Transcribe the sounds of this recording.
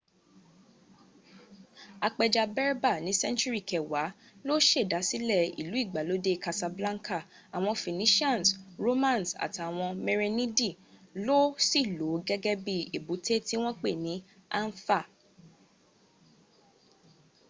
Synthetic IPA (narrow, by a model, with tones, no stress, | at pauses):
a˧k͡pɛ˧d͡ʒa˧bɛ˦ɾba˦˨nĩ˨˦sɛ̃˦nt͡ʃu˦ɾi˦˨kɛ˨wa˨˦ | lo˦ʃe˦˨da˨˦si˦lɛ˦˨ḭ˨lu˨˦i˦˨ɡ͡ba˨lo˨˦de˦˨ka˧sa˧blã˦ŋ˦kʰa˦˨ | a˨w̃ɔ̃˧fĩ˨nĩ˨˦ʃi˦ã˦˨nsɾo˦mã˦˨n˨sa̰˨ti˨a˨w̃ɔ̃˧me˧ɾe˧nĩ˦di˦˨lo˦si˦˨lo˨˦ɡɛ˦ɡɛ˦bi˧e˨bu˨˦tʰe˦ti˦w̃ɔ̃˦k͡pe˦˨nĩ˨˦a˦n̩˦fa˦˨